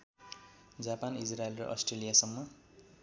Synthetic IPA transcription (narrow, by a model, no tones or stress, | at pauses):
d͡zapanisraelrʌ̰ʔʌ̰sʈrelijasʌmːʌ